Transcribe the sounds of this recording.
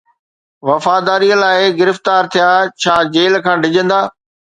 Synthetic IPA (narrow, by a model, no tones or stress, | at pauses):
ʋɐfaːd̪aːɾiːəlaːɪɡɪɾɪft̪aːɾt̪ʰijaːt͡ɕʰaːd͡ʑeːlkʰãːɖʱɪd͡ʑə̃nd̪aː